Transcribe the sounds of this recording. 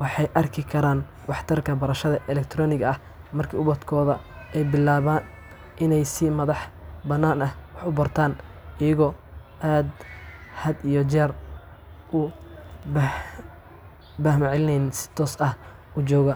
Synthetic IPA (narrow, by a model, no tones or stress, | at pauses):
wɑħɑjʔɐrkʰɪkʰɐɾaːn | wɑħt̪ʰɐrkʰɐbɐɾɐʃɐðɐʔɛlɛk̚t̪ʰɾɔːnɪɣɐɐh | mɐrkʰiːʊβɐd̪kʰɔːðɐ | ɛjbɪlaːβaːn | ʔɪnɛjsɪmɐðɑħbɐnːaːnɐhwɑħʊbɐrt̪ʰaːnɪjɐɣɔːʔaːd̪hɐd̪ijɔt͡ʃɛːr | ʊb | bɐhmɐʕlɪnɛjnɪnsɪ̥t̪ʰɔːsɐh | ʊt͡ʃɔːɣɐ